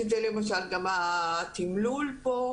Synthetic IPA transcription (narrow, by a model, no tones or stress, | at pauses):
it̪elemaʃ̬alɡamat̪imlulpo